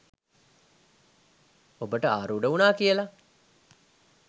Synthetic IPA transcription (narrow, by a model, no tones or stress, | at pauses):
obəʈəa̰ːɾuːɖəunaːkijəla